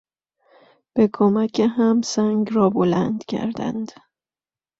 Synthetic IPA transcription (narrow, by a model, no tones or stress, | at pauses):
b̥ekʰomæcʰeɦæmsæŋɡrɒːbolænd̪cʰæ̰ɾd̪æ̰nd̪̥